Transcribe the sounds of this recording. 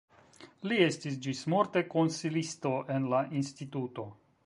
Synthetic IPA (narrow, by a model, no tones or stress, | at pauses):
lie̞stis̬d͡ʒismo̞ɾte̞ko̞nsilisto̞ʔe̞nlaʔinstituto̞